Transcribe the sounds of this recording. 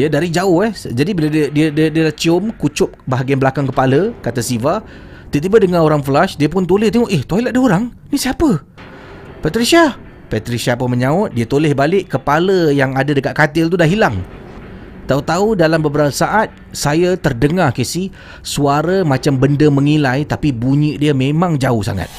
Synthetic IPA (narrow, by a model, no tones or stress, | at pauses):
jadaɾid͡ʒaʊhɛhd͡ʒadibiladiədiədiədiədaht͡ʃiʊmkut͡ʃʊp̚baɦaɡianblakaŋkəpaləkat̪asiva | t̪it̪ibadəŋaoɾaŋflaʃdiəp̬ʊnt̪olɪht̪eŋɔʔeht̪oɦiladəoɾaŋ | nisiapə | pat̪ɾisa | pat̪ɾisapəməɲãʊt̪̚diət̪olɪhbalɪʔkːəpaləjaŋadadəkat̪̚kat̪ɪlt̪̬udahɦilaŋ | t̪aut̪audalambəbəɾapəsaʔat̪̚ | sajat̪ərdəŋakesi | suaɾamãt͡ʃambəndəmə̃ŋilajt̪apibuɲiʔdiəmẽmãŋd͡ʒaʊhsa̰ŋa̰t̪̚